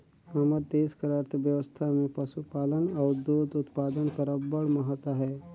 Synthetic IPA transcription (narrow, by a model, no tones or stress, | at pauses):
əməɾd̪eːskəɾaːɾt̪ʰəʋjəʋəst̪ʰamẽpɐsupaːlənɔːɾd̪oːd̪ʊt̪paːd̪ənkəɾəbəɭməɦət̪əɦɛː